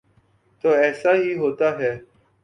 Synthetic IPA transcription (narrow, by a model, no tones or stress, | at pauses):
t̪oːɛːsaɦiːɦoːt̪aɦɛː